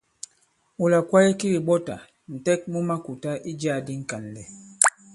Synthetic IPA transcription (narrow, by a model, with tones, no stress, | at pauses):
u˨la˨kwa˦jɛ˦ki˦ɾi˨ɡ͡bɔ˦ta̰˨ | n̩˨tɛ˦k̚mu˦ma˦ku˨ta˦ʔi˦d͡ʒa˦˨di˦ŋ̩˦˨ka˨n˨lɛ˨